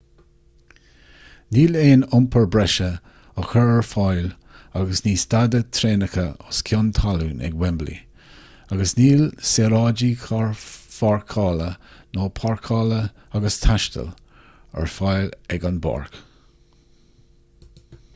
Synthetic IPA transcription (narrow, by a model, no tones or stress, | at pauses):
niːleːnʊmpʰəɹbɾɛʃə | əxəɹəɹfajl | aɡəsniːst̪ad̪ət̪ʰɾeːnəxəʊskʰjʊnt̪ʰaluːnɛ̰ɡwɛmblḭ | aɡəsniːlseɾɑːd͡ʒikʰaɹfaɹkʰɑːlənoːpʰaɹkʰɑːlə | aɡəst̪ʰaʃt̪ə̰l | ə̰ɹfajlɛɡanba̰ːɹk